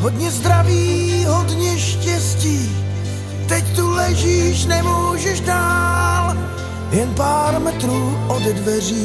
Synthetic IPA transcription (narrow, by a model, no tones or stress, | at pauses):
ɦod̪ɲɛzd̪ɾaviːɦodɲɛʃcɛsciː | t̪ɛct̪ulɛʒiːʃnɛmuːʒɛʃdaːl | jɛnpaːɾmɛt̪ɾuːʔoddvɛriː